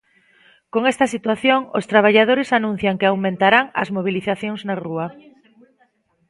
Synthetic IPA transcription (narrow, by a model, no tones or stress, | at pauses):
koŋest̪asit̪waθjoŋost̪ɾaβ̞aʎað̞oɾɪsanũn̟θjaŋkeawmẽnt̪aɾaŋɐ̰zmoβ̞iliθaθjoŋznarua